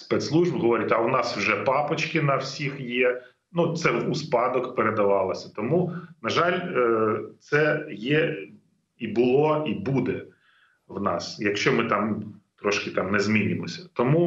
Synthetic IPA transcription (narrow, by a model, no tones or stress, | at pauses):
spɛt̪slˠuʒbɦɔʋɔɾʲitʲɐwnɑswʒɛpɑpɔt͡ʃkɪnɐwsʲixjɛ | nut̪sɛuspɑd̪ɔkpeɾed̪ɐʋɑlˠɐsʲɐt̪ɔmunɐʒɑlʲ | t̪sɛjɛ | ibʊlˠɔibud̪ɛ | wnɑsjɐkʃt͡ʃɔmɪt̪ɑmt̪ɾɔʃkɪt̪ɑmnɛzmʲinʲɪmɔsʲɐt̪ɔmu